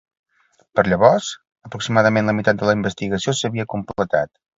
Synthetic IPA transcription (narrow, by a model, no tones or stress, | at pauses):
pəɾʎəβɔrz̥ | əpɾuksimaðəmenləmit̪at̪̚d̪ələimbəst̪iɣəsiosəβiəkumplət̪a̰t̪